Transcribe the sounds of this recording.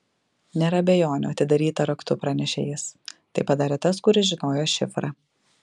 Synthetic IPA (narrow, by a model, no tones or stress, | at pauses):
nʲeːɾɐɐbʲejoːnʲʊ̰ɐt̪ʲɪd̪ɐɾʲiːt̪ɐɾɐkt̪ʊpɾɐnʲɛʃʲḛːjɛst̪ɐɪpɐd̪ɑːɾʲɛːt̪ɐskʊɾʲɪʒʲɪnoːjoːʃʲɪfɾɑ